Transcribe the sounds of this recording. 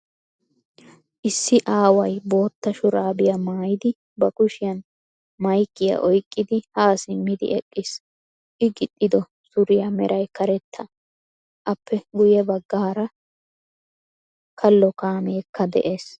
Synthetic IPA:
ʔɪsːɪʔaːwɐjbo̞ːt̪ːɐʃʊɾaːbɪjamaːjɪd̪ɪ | bɐkʊʃɪjɐn | mɐjkːɪja̰ʔɔjkʼːɪd̪ɪhaːsɪmːɪd̪ɪ̰ɛkʼːɪs | ʔɪɡɪt̪ʼːɪd̪ɔ | sʊɾɪjɐmɛ̰ɾʔɐjkɐɾɛt̪ːɐ | ʔɐpːɛɡʊjɛbɐɡːaːɾɐ | kʰɐlːɔkaːmeːkʰːɐd̪ɛ̰ʔeːs

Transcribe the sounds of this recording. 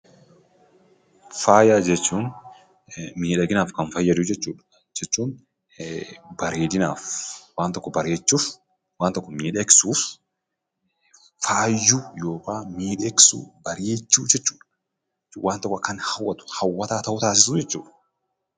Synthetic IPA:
faːjaːd͡ʒɛt͡ʃːuːn | miːᶑɐɡɪnaːfkɐnfɐjːɐd̪ʊd͡ʒɛt͡ʃːuːᶑɐ̥ | d͡ʒɛt͡ʃːuːn | bɐɾeːd̪ɪna̰ːfwaːnt̪ɔkːɔbɐɾeːt͡ʃːuːf | waːnt̪ɔkːɔmiːᶑɛksuːf | faːjːʊjo̞ːkaːmiːᶑeksṵːbɐɾeːt͡ʃːuːd͡ʒɛt͡ʃːuːᶑɐ | waːnt̪ɔkːɔkɐnhɐwːɐt̪ʊ̥hɐwːɐt̪aːt̪ɐhʊt̪aːs̬ɪsuːd͡ʒɛt͡ʃːuːᶑɐ

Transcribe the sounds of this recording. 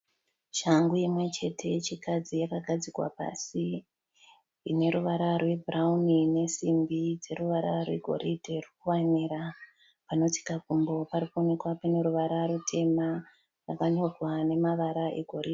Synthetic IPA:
ʃaŋɡuimwe̞t͡ʃe̞tʰe̞t͡ʃikad͡zijakaɡʱad͡zikwa̰pa̰si | ine̞ɾuʋaɾarwe̞bʱuraunine̞simbid͡ze̞ruʋaɾa̰rwe̞̰ɡʱo̰ɾidʱe̞rukuwaniɾa | pano̞ti̥kakumbo̞paɾikuonekwapane̞ɾuʋaɾaɾutʰe̞ma | rakaɲorwane̞maʋaɾaʔe̞ɡʱo̞ɾid

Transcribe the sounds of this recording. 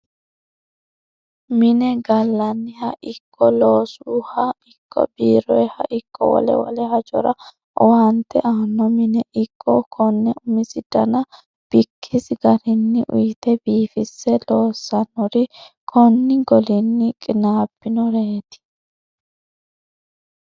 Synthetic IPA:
mɪnɛɡɐlːɐnːɪhɐʔɪkʰːɔloːsuhɐɪkːɔ̰biːɾɔjhɐ̰ʔɪkʰːɔ̰wɔ̰lɛ̰wɔ̰lɛhɐt͡ʃʼɔ̰ɾɐ | ɔwɐnt̪ːɛʔanːɔmɪnɛʔɪkʰːɔkʰɔnːɛʔʊmɪsɪd̪ɐnɐ | b̥ɪkʰːɪsɪɡɐɾɪnːɪʔʊ̰jt̪ɛbiːfɪsːɛloːsːɐnɔɾɪkʰɔnːɪɡɔlɪnːɪkʼɪnaːbːɪnɔɾet̪ɪ̥

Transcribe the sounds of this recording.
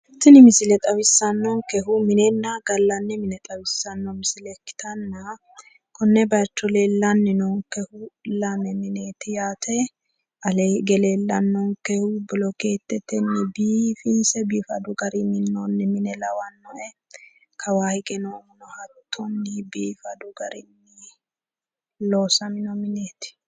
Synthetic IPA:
ɪt̪ːɪnɪmɪsɪlɛt̪ʼɐwɪsːɐnːɔŋkɛɦʊmɪnɛnːaɡɐlːɐnːɛmɪnɛt̪ʼɐwɪsːɐnːɔmɪsɪlɛkːɪ̥t̪ɐnːɐ | kɔnːɛbɐjɐt͡ʃːɔleːlːɐnːɪnɔŋkɛhʊlɐmɛmɪneːt̪ɪjaːt̪ʰɛ | ʔɐleɡɛleːlːɐnːɔŋkɛhʊbɪlɔkeːt̪ːɛt̪ːɛnːɪbiːfɪnsɛbiːfɐd̪ʊɡɐɾɪmɪnːonːɪmɪnɛlɐwɐnːɔʔɛ | kʰɐwaːhɪkʼɛnɔmɪnɔhɐt̪ʰːɔnːɪbiːfɐd̪ʊɡɐɾɪnːɪ | loːsɐmɪnɔmɪneːt̪ɪ̥

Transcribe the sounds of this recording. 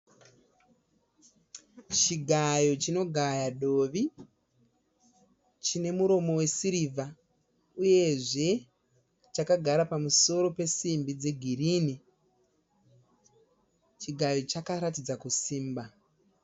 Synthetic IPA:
t͡ʃiɡʱajo̞t͡ʃino̞ɡʱajaɗo̞ːʋi | t͡ʃine̞muɾo̞mo̞we̞siɾiva | uje̞ʐe̞ | t͡ʃakaɡʱaɾapamuso̞ɾo̞pe̞simbid͡ze̞ɡʱirini | t͡ʃiɡʱajo̞t͡ʃakaɾat̬id͡zakusiːmba

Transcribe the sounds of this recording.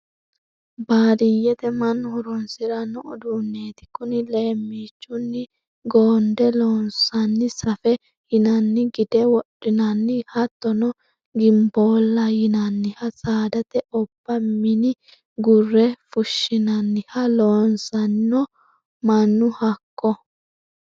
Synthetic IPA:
baːd̪ɪjɛt̪ɛmɐnːʊhʊɾɔnsɪɾɐnɔɔd̪unːeːt̪ɪ̥kʊnɪleːmːiːt͡ʃːʊnːɪ | ɡoːnd̪ɛloːnsɐnːɪsɐfɛ | hɪnɐnːɪɡɪd̪̥ɛwɔɗɪnɐnːɪhɐt̪ːɔnɔ | ɡɪmboːlːɐjɪnɐnːɪhɐsʼaːd̪ɐt̪ɛɔbːɐmɪnɪ | ɡʊrːɛfʊʃːɪnɐnːɪhɐloːnsɐnːɔ | mɐnːʊhɐkːɔ

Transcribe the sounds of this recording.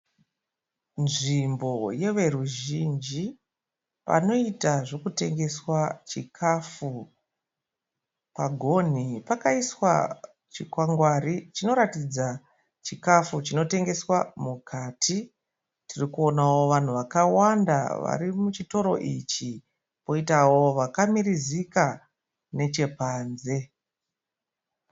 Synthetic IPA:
nʐimbo̞je̞ʋe̞ɾuʒind͡ʒi | pa̰no̞itaʐo̞kute̞ŋɡe̞swat͡ʃikʰafu | paɡʱo̞n̤ipakaiswa̰ | t͡ʃikwaŋɡwarit͡ʃino̞ɾatid͡za | t͡ʃikafut͡ʃino̞te̞ŋɡe̞swamukʰaːtʰi | tirikuo̞nawo̞ʋan̤uʋakawanda̰ʋa̰ɾimut͡ʃito̞ɾo̞̰ʔit͡ʃi | po̞itawo̞ʋakamiɾizika | ne̞t͡ʃe̞paːnze̞

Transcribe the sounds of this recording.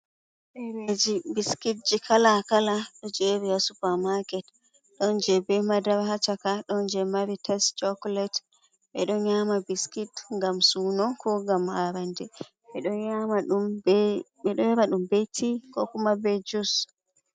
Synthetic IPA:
ɓɛɾed͡ʒibiskit̚d͡ʒikʰalakalaɗɔd͡ʒeɾiasupamakɛt | ɗɔnd͡ʒɛbɛmadaɾhat͡ʃakaɗɔnd͡ʒɛmaɾitʰɛstt͡ʃɔklɛt | ɓɛɗɔnɲamabiskitŋɡamsunɔnkʰɔɡamhaɾandɛ | ɓɛɗɔamaɗum | ɓɛɗɔɛɾaɗumbetʰikɔkumabɛd͡ʒus

